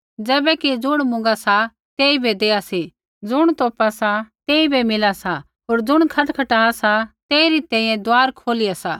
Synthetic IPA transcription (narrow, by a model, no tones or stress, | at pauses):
d͡zɛːbɛkid͡zʊɽ̃mʊ̃ŋ̆ɡasa | t̪eːibʱed̪eːasi | d͡zʊɽ̃t̪oːpasat̪eːibʱemɪlasa | ɦoːɾd͡zʊɽ̃kʰɐʈkʰɐʈaːasat̪eːiɾit̪ɛ̃ːĩːɛ̃d̪aːɾkʰoːlijasaː